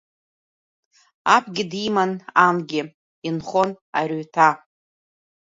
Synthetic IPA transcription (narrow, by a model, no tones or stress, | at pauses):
apʷʰɡʲɪdimanamɡʲɪ | inχo̞n | arɥtʰa